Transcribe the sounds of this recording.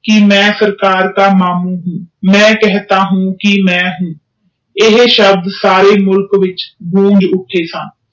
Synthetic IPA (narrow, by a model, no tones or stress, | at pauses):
kɪmɛ̃ːsəɾkaːɾkaːmaːmuːɦũːmɛ̃ːkɛɦt̪aːɦũːkɪmɛ̃ːɦũː | ɪɦʃəb̚d̪saːɾeːmʊlkʋɪt͡ʃbũːŋd͡ʒʊʈʰːeːsən